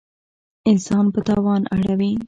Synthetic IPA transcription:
ɪnsɑnpət̪ɑwɑna̰ɽawi

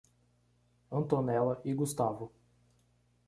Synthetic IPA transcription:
ɐ̃nt̪onɛlɐʔɪɡust̪avʊ

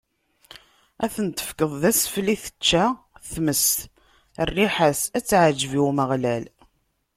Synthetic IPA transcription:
æθənt̪ːə̥fkəðˤðæsfliθə̥t͡ʃːæ | θməst̪ | rːiħəsæt͡sːʕəd͡ʒviwməʁlæl

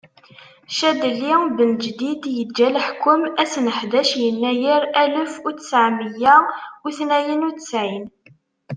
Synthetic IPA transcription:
ʃæd̪əlːibənd͡ʒd̪id̪jəd͡ʒːæləħkːʊmæsnəħd̪æʃjənːæjiɾæləfut͡sə̥sʕməjæʊθnæjənut͡səsʕin

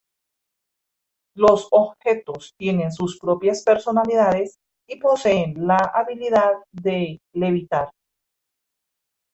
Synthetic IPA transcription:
lo̞sobxe̞t̪o̞st̪je̞ne̞nsuspɾo̞pjaspe̞ɾso̞naliðaðe̞s | ipo̞seːnlaʔaβiliðaðːeleβit̪aɾ

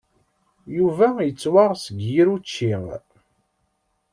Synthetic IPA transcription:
juvæjət͡sːwaʁsəɡjiɾut͡ʃːiʁ

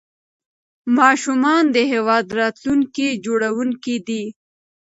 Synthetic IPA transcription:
mɑʃumɑnd̪əɦewɑd̪ɾɑt̪luŋkid͡ʒoɽawuŋkid̪i

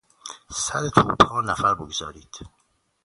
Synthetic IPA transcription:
sæɾet̪ʰṵːpʰɒːnæfæɾboɡzɒːɾiːd̪̥

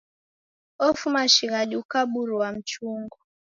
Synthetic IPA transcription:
ɔfumaʃiɣaɗukaɓuɾuwam̩t͡ʃuŋɡɔ

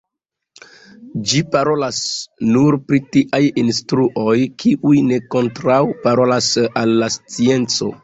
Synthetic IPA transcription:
d͡ʒipaɾo̞lasnuɾpɾitiʔajinstɾuʔo̞jkʰiʔujne̞ko̞ntɾawpaɾo̞lasalːast͡sie̞nt͡so̞̰

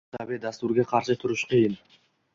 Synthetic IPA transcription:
abed̪ast̪uɾɡeqʰɑɾʃɨt̪ʰʊɾuʃqʰɨjɯn

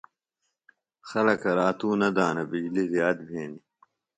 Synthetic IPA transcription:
xɐlɐkɐɾaːt̪uːnɐd̪aːnɐbid͡ʑliɾijaːt̪̚bʱeːni

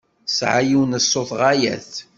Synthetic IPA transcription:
sʕajiwnəsːoθʁajæ̰θ

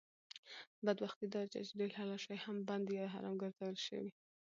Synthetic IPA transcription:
bad̪waxt̪id̪ɑt͡ʃa̰t͡ʃed̪elɑlaʃɑjhamband̪jɑd̪ɦɑ̰ɾɑ̰mɡəɾzawəlʃə̰wi

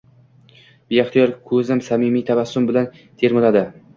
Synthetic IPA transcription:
b̥ijaχt̪ijɒɾʲkʰɵzɪmsamɪmijt̪ʰavasːʊmbɪlan | t̪ʰe̞ɾmʊlad̪ɪ

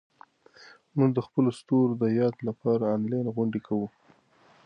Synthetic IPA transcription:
muɡd̪əxpəlost̪oɾd̪əjɑd̪lapɑɾaːnlɑjnɣʊɳɖekʰawu

